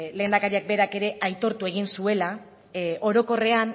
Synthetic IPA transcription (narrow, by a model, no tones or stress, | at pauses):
le̞ːnd̪akaɾiak̚be̞ɾake̞ɾe̞ʔajt̪o̞ɾt̪ue̞ɣ̞insue̞la | o̞ɾo̞ko̞re̞an